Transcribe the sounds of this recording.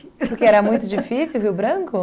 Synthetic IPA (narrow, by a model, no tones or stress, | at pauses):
pʊɾkeɛɾɐmũj̃t̪ʊd͡ʒifisiwɦiwbɾɐ̃kʊ